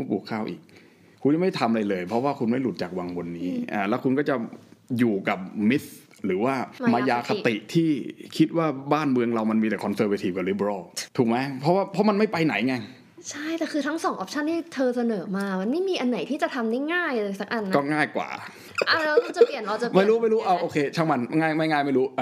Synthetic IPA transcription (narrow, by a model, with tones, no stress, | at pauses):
u˧˥˩puː˨˩kʰːaː˥˩wʔḭː˨˩k̚ | kʰːu˧nt͡ɕa˨˩ma˥˩jt̪ʰa˧mʔa˧ɾa˧jlɤː˧jpʰɔ˦˥waː˥˩kʰu˧nma˥˩jlu˨˩t̪̚t͡ɕaː˨˩k̚wa˧ŋbo˧nːiː˦˥ʔaː˧˩lɛ˦˥wkʰu˧nkɔː˥˩t͡ɕa˨˩juː˨˩ka˨˩p̚mi˦˥s | ɾɯː˩˦waː˥˩m˧maː˧jaː˧kʰa˧˩t̪i˨˩ʔt̪ʰiː˥˩kʰi˦˥t̪̚waː˥˩baː˥˩nmɯ˧əŋɾa˧wma˧nmiː˧t̪ɛː˨˩kʰɔ˧nsəː˧wa˧t̪ʰiː˧˩p̚ka˨˩li˦˥˩bɾɔː˧˥˩t̪ʰu˨˩k̚ma˦˥jpʰɾɔ˦˥waː˥˩pʰɔ˦˥ma˧nma˥˩jpa˧jna˩˦jŋa˧ŋ | t͡ɕʰa˥˩jt̪ɛː˨˩kʰɯː˧t̪ʰa˦˥ŋsɔː˨˩˦ŋʔɔ˦˥p̚t͡ɕʰa˥˩nt̪ʰiː˥˩t̪ʰɤː˧sa˧nɤː˩˦maː˧ma˧nma˥˩jmiː˧ʔa˧nːa˨˩˦jt̪ʰiː˥˩t͡ɕa˨˩t̪ʰa˧mnaː˥˩ŋaː˥˩ja˧˩sa˦˥k̚ʔa˧nːkɔː˥˩ŋaː˥˩jkwa̰ː˨˩ | ʔa˧˩lɛ˦˥kʰu˧nt͡ɕa˨˩pi˨˩ənɾa˧t͡ɕa˨˩ma˨˥˩ɾuː˦˥˦ma˥˩jɾuː˦˥ʔa˧˩wʔoː˧kʰeː˧t͡ɕʰaː˦˥˩wma˧nŋaː˥˩jma˥˩jŋaː˥˩jma˥˩jɾuː˦˥